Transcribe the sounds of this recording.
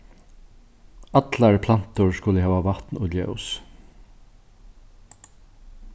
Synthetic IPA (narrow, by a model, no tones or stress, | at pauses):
at̪laɹpʰlan̥t̪ʊɹskʊləɦæːʋaʋat̪nʊljɛ̰ʊs